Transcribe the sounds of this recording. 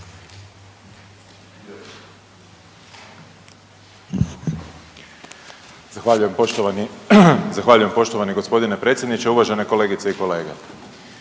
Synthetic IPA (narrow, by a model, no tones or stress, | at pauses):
z̥axʋaʎuje̞mot̪onizaxʋaːʎuje̞mpo̞ʃt̪o̞ʋaniɡo̞spo̞d̪ine̞pɾet̪sjd̪nit͡ɕeuʋaʒe̞neko̞le̞ːɡit̪seiko̞le̞ːɡḛ